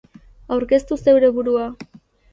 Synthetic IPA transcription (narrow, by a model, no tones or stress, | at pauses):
awɾke̞st̪use̞wɾe̞βuɾua